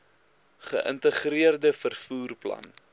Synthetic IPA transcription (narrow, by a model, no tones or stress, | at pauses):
χə̰ʔə̰ntəχriərdəfərfuːrplɐ̰n